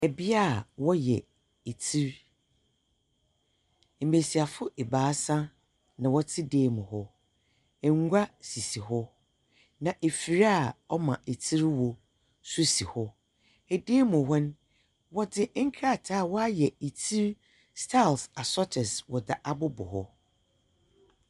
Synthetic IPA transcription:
ɛ˨bɪ˦a˦˨wɔ˦jɛ̰˨ | e˨tʰi˦ɾ | m̩˨me˨si˨a˨fʊ˦ʔe˨baː˨˦sã˦ | nã˨wɔ˦tʰɪ˦deː˦mʊ̃˨hɔ˦ | ɛ˨ŋ˦ɡʷa˦si˨si˨ɦɔ˦ | nã˨ʔe˨fi˨ɾa˦˨ɔ˦mã˨e˨tʰi˦ɾwɔ˨ | su˦si˨hɔ˦ | ɛ˨deː˦mʊ̃˨ɦɔ˦n˦ | wɔ˦dɪ˦ʔŋ̩˦kʰɾa˦˨tʰaː˦˨wɔ˦a˦jɛ˨e˨tʰi˦ɾ | stʰa˦˨lsa˨sɔ˦tʰɪ˨swɔ˨da˨ʔa˦bʊ˦bʊ̰˨hɔ˦

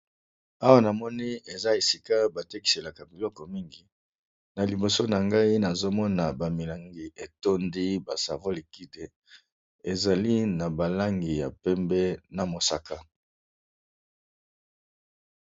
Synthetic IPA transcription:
a˦wa˦na˨mɔ˦ni˦e˨za˦e˨si˦ka˦ba˨te˦ki̥˨se˨la˨ka˨bi˨lɔ˦kɔ˨mi˦ŋɡi˦ | na˨li˨bo˨so˦na˨ŋɡa˦i˦na˨zo˦mɔ˦na˨ba˨mi˨la˨ŋɡi˨e˨to˦ndi˦ba˨sa̰˨vo˦li˨ki˦de˨ | e˨za˨li˦na˨ba˨la˦ŋɡi˨ja̰˨pɛ˦mbɛ˦na˨mo˨sa˨ka˦

